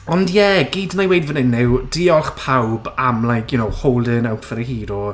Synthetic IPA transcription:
ɔndjɛɡiːdnajwejdvənɪnːɪwd̥iːɔlˠχpʰawbamlˠajkʰjʊnowhowlˠdɪnawtʰvəɾəhiːɾɔ

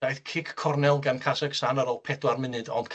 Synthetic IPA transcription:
ajθkʰɪkʰːɔrnɛlˠɡankʰasɛɡ̥sanaɾɔːlˠpʰɛdwarmɪnɨdɔnd̥kʰ

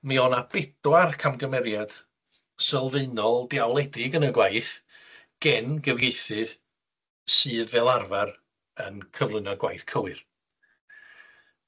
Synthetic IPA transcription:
miɔnab̥ɛdwarkʰamɡəmɛɾjad̥ | səlˠveɨnɔlˠdɪawlˠɛdɪɡənəɡwajθ | ɡ̥ɛnɡəvjejθɨð | sɨːðvɛːlˠarvar | ənkʰəvlˠɨnɔɡwa̰jθkʰəwɨr

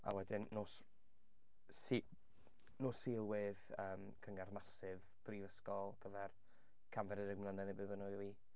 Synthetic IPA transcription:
a̰wɛdɪnːoːs | si | nosilˠwɨðəːm | kʰəŋarmasɪv | b̥riːvəskɔlˠɡ̥əvɛr | kʰamvɛɾɪɾəɡmlˠənɛðɪbɨbənɔwi

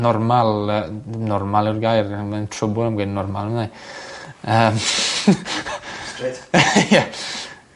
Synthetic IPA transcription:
nɔrmalˠənɔrmalˠɪwrɡajrməntʰrʊbʊnəmɡwednːɔrmalnəmna | əːm | ja

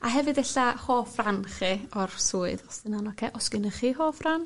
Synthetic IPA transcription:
aɦɛvɨdɛɬahoːfranχiɔrsuːɨdɔsɪnanɔkʰeʔɔsɡ̥ɪnəχihoːfran

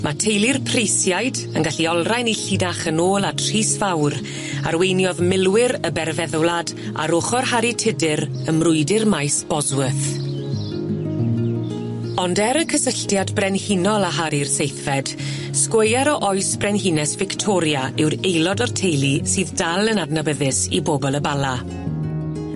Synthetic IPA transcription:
mʔatʰejlˠirpʰrejsjajd | ənɡaɬiɔlˠrajniɬidaχənoːlˠatʰr̥iːsvawɾ | a̰rwejnjɔðmɪlˠwɪɾəbɛrvɛðʊlˠad | a̰ɾoχɔrhaɾitʰɪdɪɾ | əmrʊɨdɪrmajsb̥ɔzwəθ | ɔndɛɾəkʰəsəɬtjadbrɛnhinɔlˠaɦaɾirsejθvɛd̥ | skwejaɾɔʔɔɨsbrɛnɦinɛsvɪktʰɔɾjaɪwɾejlˠɔdɔrtʰejlˠisɨːðdalˠənadnabəðɪsḭboːbɔlˠəbalˠa

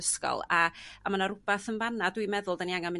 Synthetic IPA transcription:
əskɔ̰lˠaːmanaɾʊb̥aθənvanadwimɛðʊlˠdaniaŋamɪ

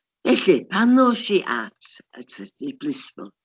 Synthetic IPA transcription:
vɛɬipʰanɔʃiʔatʰə̰tʰədiblɪsmɔ̰

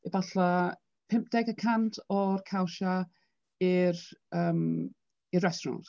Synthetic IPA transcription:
ivaɬa | pʰɪmp̚d̥ɛɡəkʰantʰɔrkʰawʃa | ɪrəːm | irːɛstɔɾɔ̰nt

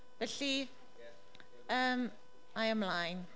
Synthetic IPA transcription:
bəɬi | əːm | ajə̃mlajn

